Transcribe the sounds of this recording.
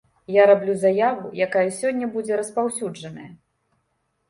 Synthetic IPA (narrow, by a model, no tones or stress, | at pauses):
jaɾablʲuzajavṵjakajɐsʲɔnʲːɐbud͡zʲɛɾɐspawsʲud͡ʐɐnɐjɐ